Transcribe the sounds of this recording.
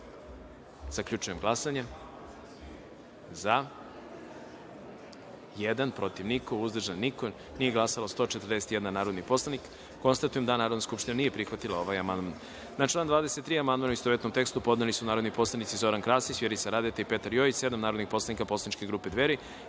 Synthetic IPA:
z̥akʎʲut͡ʃujemɡlasaɲe | za | jed̪anpɾo̞t̪iʋniko̞uzd̪r̩ʒanːiko | nije̞ɡlˠasalost̪o̞ːt͡ʃet̪ərd̪e̞set̪je̞d̪nanaːɾod̪nipo̞slˠanikː | o̞nst̪at̪ujemd̪anaːɾod̪naskupʃt̪inanije̞pɾixʋat̪ilao̞ʋajamand̪man | nat͡ʃlˠaːnd̪vʋaːd̪eset̪ːɾiːamand̪manuist̪oʋet̪nomt̪ekst̪upo̞d̪nelisunaːɾod̪nipo̞slˠanit̪sizo̞ɾankɾaːsisʋjeɾisaɾad̪et̪aipe̞t̪aɾjoit͡ʃse̞d̪amnaːɾo̞d̪nixpo̞slanikaposlanit͡ʃke̞ɡɾuːpe̞d̪ʋeɾi

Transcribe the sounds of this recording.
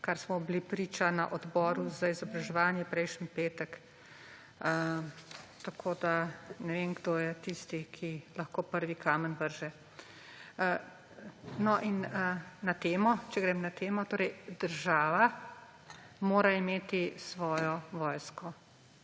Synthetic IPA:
kaɾsmɔblipɾiːt͡ʃana̰ʔɔd̪bɔːɾuzaizɔbɾaʒɛʋaːnjɛpɾɛjʃnənpeːt̪ək | t̪akʰoːd̪anɛʋenɡd̪ojɛt̪ist̪ikʰilɐxkoːpəɾʋikʰaːmənʋəɾʒɛ | nɔʔinnat̪eːmɔt͡ʃɛɡɾeːmnat̪eːmɔt̪oːɾɛjd̪əɾʒaːʋa | moːɾaimeːt̪isʋɔːjɔʋɔːjskɔ

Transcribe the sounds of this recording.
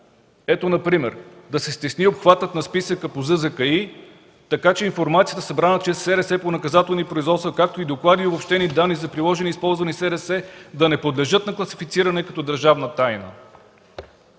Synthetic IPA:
ɛt̪onɐpɾimɛɾ | d̪ɐsɛst̪ɛsniopxvat̪ət̪nɐspisəkəpozɤzɐkɐi | t̪ɐkat͡ʃɛinfoɾmat̪sijət̪əsɐbɾanət͡ʃɛsːɛɾɛsɛponɐkɐzat̪ɛlˠnipɾoizvɔt̪st̪vɐkak̚t̪oid̪oklˠad̪iobopʃt̪ɛnid̪anːizɐpɾilˠɔʒɛnispɔlˠzvɐnisɛɾɛsɛd̪ɐnɛpod̪lɛʒɤt̪nɐklˠɐsifit̪siɾɐnɛkɐt̪ɔd̪əɾʒavnət̪ajnə̰

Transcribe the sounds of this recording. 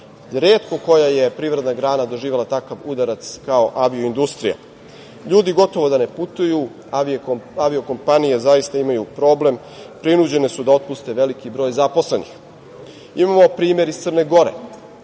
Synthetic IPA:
ɾeːt̪ko̞ko̞jaje̞pɾiʋɾed̪naɡɾaːnad̪o̞ʒiːʋe̞lat̪akaʋud̪aɾat̪skao̞ʔaʋioind̪ust̪ɾija̰ | ʎuːd̪iɡo̞t̪o̞ʋo̞d̪ane̞put̪uju | aʋio̞ko̞mpanijezajist̪aimajupɾo̞ːble̞m | pɾinud͡ʑe̞nesud̪ao̞t̪̚pust̪e̞ʋe̞likibɾo̞ːjzapo̞sle̞nḭx | imamo̞pɾiːmje̞ɾisərneɡo̞ɾe̞̰

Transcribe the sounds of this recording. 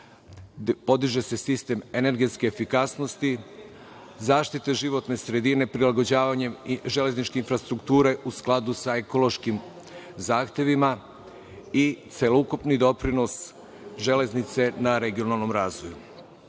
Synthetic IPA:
po̞d̪iʒe̞se̞sist̪e̞me̞ne̞ɾɡe̞t̪ske̞ːfikasno̞st̪i | zaːʃt̪it̪eʒiʋo̞t̪ne̞sɾe̞d̪ine̞pɾilaɡo̞d͡ʑaːʋaɲe̞mʒe̞le̞znit͡ʃke̞infɾast̪ɾukt̪uːɾe̞ʔusklˠad̪usaeko̞lo̞ʃkim | zaːxt̪ʲje̞ʋima | it̪sʲe̞loukupnid̪o̞pɾino̞s | ʒe̞le̞znit̪se̞naɾe̞ɡio̞nalˠno̞mɾaːzʋoju

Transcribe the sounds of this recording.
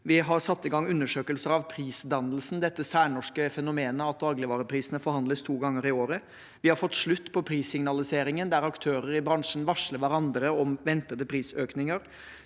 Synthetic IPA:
ʋɪɦɑɾsɑt̪ːɪɡɑŋʉnːəʂøːkəlsəɾɑʋpʰɾiːsd̪ɑnəlsn̩d̪ɛt̪ːəsæːɳɔʂkəfɛnʊmeːnəɑt̪̚d̪ɑːɡlɪʋɑːɾəpʰɾiːsənəfɔɾhɑnd̪ləst̪ʰuːɡɑŋːəɾɪoːɾə | ʋɪhɑɾfɔt̪ːʂɭʉt̪ːpʰɔpʰɾiːsɪŋnɑlɪseːɾɪŋənd̪æɾɑkt̪ʰøːɾəɾɪbɾɑŋʂn̩ʋɑʂləɾʋæɾɑnd̪ɾəɔmʋɛnt̪əd̪əpʰɾiːsøːknɪŋəɾ

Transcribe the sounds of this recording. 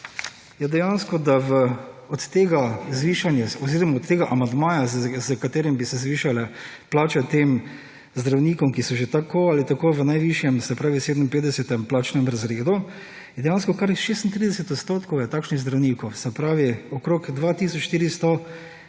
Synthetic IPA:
jɛd̪ɛjanskɔd̪aʋəɔt̪ːeːɡazʋiːʃanjɛɔziɾɔmaɔt̪t̪ːeːɡaʔamand̪maːjazəkat̪eːɾimbisɛzʋiːʃalɛplaːt͡ʃɛt̪eːm | zd̪ɾawniːkɔmkisɔʒet̪akoalit̪akoːʋənajʋiʃjɛmsɛpɾaːʋiseːd̪mimpeːd̪d̪ɛsɛt̪ɛmplaːt͡ʃnɛmɾazɾeːd̪u | jɛd̪ɛjanskɔkaɾixʃeːst̪nt̪ɾiːd̪ɛsɛt̪ɔt̪st̪oːt̪kɔwjɛt̪aːkʃniɣzd̪ɾawniːkɔwsɛpɾaːʋiɔkɾoːkd̪ʋaːt̪iːsɔt͡ʃʃt̪iːɾist̪ɔ

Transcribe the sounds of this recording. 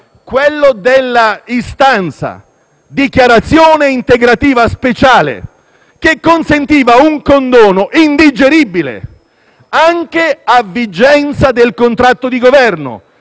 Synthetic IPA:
kwelːod̪elːaist̪ant̪sa̰ | d̪ikjaɾat̪sːjoːneint̪eɡɾat̪iːvaspet͡ʃaːlḛ | kekːonsent̪iːvauŋkond̪oːnoʔind̪id͡ʒeɾibilḛ | aŋk̟eavːid͡ʒɛnt̪sad̪elkont̪ɾat̪ːod̪iɡovɛrno̰

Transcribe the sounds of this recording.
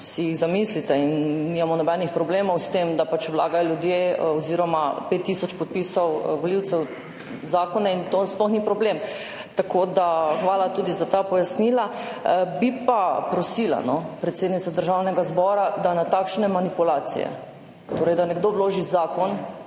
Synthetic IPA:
sijiɣzamislit̪ɛinnimamɔnɔbɛnixpɾɔbleːmɔwst̪emd̪apat͡ʃwla̰ːɡajɔljud̪jeɔziːɾɔmapet̪ːisɔt͡ʃpɔt̪̚piːsɔwʋɔliwt̪sɛw | zaːkɔnaint̪osplɔxnipɾɔblem | t̪akod̪axʋaːlat̪uːd̪izat̪apɔjasniːlabipapɾɔsila̰nɔpɾɛt̪seːd̪nit̪sad̪əɾʒawnɛɡazbɔɾad̪anat̪akʃnɛmanipulaːt̪sḭjɛ̰ | t̪oːɾɛjd̪anɛɡd̪oʋloːʒizaːkɔn

